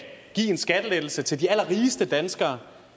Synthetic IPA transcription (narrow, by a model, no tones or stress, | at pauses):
ɡ̥ḭːe̝nsɡ̥æd̥əled̥l̩sət͡sʰe̝ldiæl̰ɐʁiːsd̥əd̥ænsɡ̥ɐː